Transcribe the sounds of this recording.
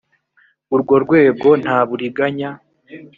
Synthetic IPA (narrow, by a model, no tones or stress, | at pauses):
uɾɡwo̞ɾɡwe̞ːɡo̞n̥haːβuɾiɡaɲa